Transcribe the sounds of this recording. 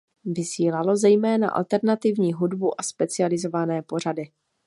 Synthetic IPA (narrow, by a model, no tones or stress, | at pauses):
vɪsiːlalo̞zɛjmɛːna̰ʔa̰lt̪ɛɾnat̪ɪvɲiːɦudbuʔaspɛt͡sɪalɪzo̞vanɛːpo̞r̝adɪ